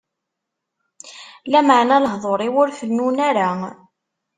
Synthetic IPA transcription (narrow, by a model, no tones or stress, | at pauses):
læməʕnæləɦðˤoɾˤiwʊɾfənːunaɾa